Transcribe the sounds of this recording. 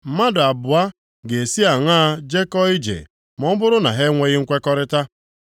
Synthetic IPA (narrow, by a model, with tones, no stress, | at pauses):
m̩˦ma˦dʊ˨a˨bʊ˨a˦ | ɡe˨si˦a˨ŋaː˦d͡ʒe˦kɔ˦i˦d͡ʒḛ˨ | mɔ˦m̩˦bʊ˦ɾʊ˦na˨ɦe˦ŋʷe˦ɣɪ˦ŋ̩˦kʷe˦kɔ˦ɾɪ˦ta˦